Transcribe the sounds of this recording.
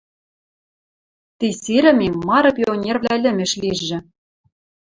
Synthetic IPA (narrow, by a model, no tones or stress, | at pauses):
t̪iseɾʲɘ̆mʲemmɑɾɤ̆pʲionʲervlʲælʲɘ̆mʲɘ̆ʃliʒːɘ̆